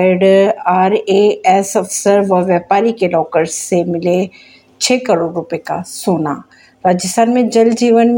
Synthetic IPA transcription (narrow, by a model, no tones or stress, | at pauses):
ɖaːɾeɛsɐfsəɾʋɐʋjəpaːɾikelɔːkəɾsemɪle | t͡ʃʰeːkəɾoːɖɾʊpeka̰suːnaː | ɾaːd͡ʒəst̪ʰaːnmẽd͡ʒɐld͡ʒiːʋənm